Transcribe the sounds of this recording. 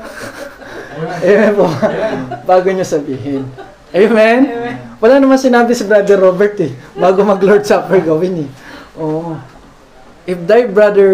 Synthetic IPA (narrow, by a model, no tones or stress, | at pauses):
ʔɐjmɛnpo | baːɡoɲosɐbiːɦɪn | ʔejmɛnwɐlaːnɐmansɪnaːbɪsɪbɹad̪ɛɾoːbɛɹt̪ɛbaːɡomɐɡloɹd̪̚saːpɛɹɡɐwɪnɛʔoːʔ | ʔɪfd̪ɐjbɹad̪ɛ